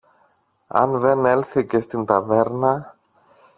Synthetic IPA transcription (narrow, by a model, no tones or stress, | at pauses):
ɐ̰nðene̞lθice̞st̪int̪ɐve̞ɾnɐ